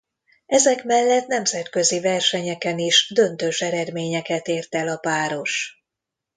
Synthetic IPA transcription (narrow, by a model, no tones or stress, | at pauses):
ɛzɛkmɛlːɛt̪nɛmzɛt̪kø̞zivɛrʃɛɲɛkɛniʃd̪ø̞nt̪øʃɛɾɛd̪meːɲɛkɛt̪eːrt̪ɛlɒpaːɾo̞ʃ